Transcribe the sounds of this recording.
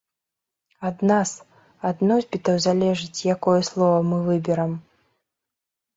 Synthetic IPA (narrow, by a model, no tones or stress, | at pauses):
ad̪nas | ad̪nɔzʲbʲit̪ɐwzalʲɛʐɨt͡sʲjakɔjɛslˠɔvɐmɨvɨbʲɛɾɐm